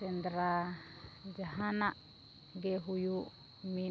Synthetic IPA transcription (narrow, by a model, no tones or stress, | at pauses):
ɛnd̪ɾa | d͡ʒaɦanaʔ | ɡɛɦuju | mi